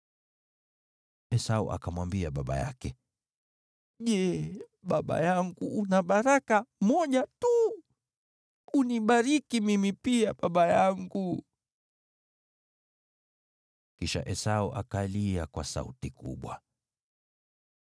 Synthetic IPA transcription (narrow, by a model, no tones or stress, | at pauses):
ɛsaṵʔa̰kamwambiaɓaɓa̰ja̰kɛ | ʄɛ | ɓaɓa̰jaŋɡuːnaɓaɾakamɔʄatu | uniɓaɾikimimipiaɓaɓajaŋɡu | kiʃa̰ʔɛsauʔakaliakwasa̰ṵtikṵɓwa